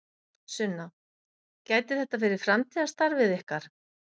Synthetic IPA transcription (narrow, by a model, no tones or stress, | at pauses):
sʏnːa | caːjt̪ɪθɛht̪ːafɪːɾɪɾ̥fɾamt̪ʰiðast̪aɾvɪðɪhkaɾ̥